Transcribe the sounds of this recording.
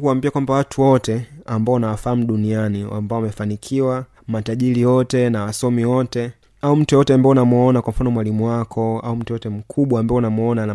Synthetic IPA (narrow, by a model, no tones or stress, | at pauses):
kuwambiakwambawatʰuwɔtɛambaɔnawafaham̩ɗunianiwa̰mbaɔwamɛfanikʰiwa | mataʄilijɔtɛnawasɔmiwɔtɛ | aum̩tuɛjɔtɛambaɔnamuɔnakwam̩fanɔmwalimuwakʰɔaum̩tujɔtɛm̩kʰuɓwaːmbaɔnamɔnana